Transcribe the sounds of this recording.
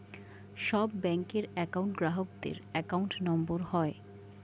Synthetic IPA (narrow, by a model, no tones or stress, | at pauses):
ʃɔbːɛŋkeɾɛkawɳʈɡɾaɦok̚d̪ḛɾɛkawɳʈnɔmboɾhɔe